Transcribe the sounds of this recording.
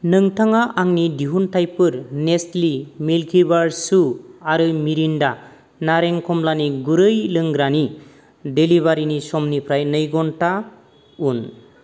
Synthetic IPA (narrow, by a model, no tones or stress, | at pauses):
nɯŋtʰaŋaʔaŋnidiɦuntʰajpɯɾnestlimilkʰibaɾsuaɾɯmiɾinda | naɾeŋkʰɔmlaniɡuɾɯjlɯŋɡɾani | deliβaɾinisɔmnipʰɾajnɯjɡɔnta | un